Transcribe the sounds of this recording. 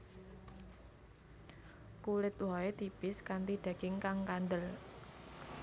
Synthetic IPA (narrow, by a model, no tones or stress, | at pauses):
kulɪt̪wɔet̪ipɪskant̪iɖ̪̥a̤kɪŋkaŋkand̪əl